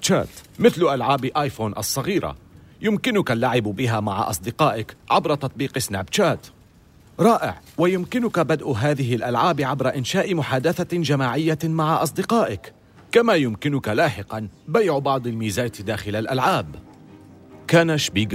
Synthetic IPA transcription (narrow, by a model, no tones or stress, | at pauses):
t͡ʃa̰ːt̪mɪθlʊʔalʕaːbʔaːjfoːnʔɑ̰sˤːɑɣiːɾa̰jʊmkɪnʊkalːaʕɪbbɪɦaːmaʕa̰ʔɑ̰sˤd̪ɪqɑːʔɪkʕabɾˤɑt̪ɑt̪ˤbiːqɪsnaːbt͡ʃaːt̪ | ɾˤɑːʔɪ̰ʕwajʊmkɪnʊkabad̪ʔɦaːðɪɦɪlʔalʕaːbʕabɾˤaʔɪnʃaːʔɪmʊħaːd̪aθad͡ʒamaːʕɪjːamaʕaʔɑs̬ˤd̪ɪqɑːʔɪk | kamaːjʊmkɪnʊkalaːħɪqɑnbajʕbɑʕd̪ˤalmiːzaːt̪d̪aːxɪlalʔalʕaːb | kaːnaʃbiːɡ